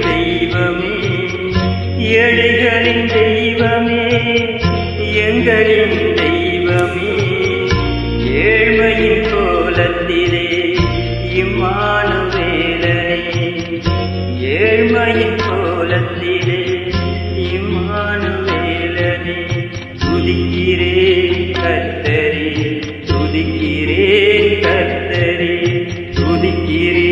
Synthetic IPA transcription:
d̪ɛjʋɐmeː | jɛɻɐɣɐɭɪnd̪ɛjʋɐmeː | jɛŋɡɐɭɪnd̪ɛj | ʋɐmeː | jeːɻmɐjɪnkoːlɐt̪ːile | imːaːnuʋelɐne | eːɻmɐjikoːlɐt̪ːile | iːmaːnuʋeːlɐne | suðikːiɾekɐt̪ːɐɾi | suðikːiɾekɐɾt̪ːɐɾi | suðikːiɾe

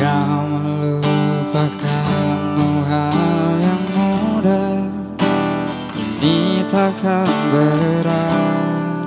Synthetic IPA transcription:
awməlupakanmuɦaljaŋmuda | init̪akanbəɾa

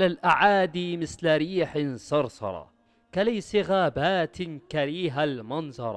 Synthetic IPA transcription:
alalʔaʕaːd̪imɪθlaɾiːħsɑɾˤsɑ̰ɾˤɑ̰ | kalajsiɣaːbaːt̪kaɾiːɦalmɑnzˤɑɾˤ

